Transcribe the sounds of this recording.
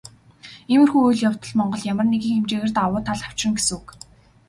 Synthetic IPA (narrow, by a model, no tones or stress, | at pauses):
emɘ̆rxuujɮjawt̪ə̆ɮmɔɴɢɞ̆ɮjamə̆rneɣiːŋxemt͡ɕeːɣĕrt̪awʊːt̪ʰːaɮaw̥t͡ɕrɪ̆ŋɡes̆uk